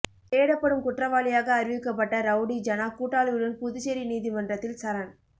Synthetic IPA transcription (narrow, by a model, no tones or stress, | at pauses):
eːɽɐpːɐɽɯmkʊʈrɐʋaːlɪjaːɣɐːɾɪʋɪkːɐp̬ːɐʈːɐɾɐʊɽid͡ʒɐnaːkuːʈːaːlɯʋɯɭɯnpʊðʊseɾiniːðimɐndrɐt̪ːɪlsɐɾɐn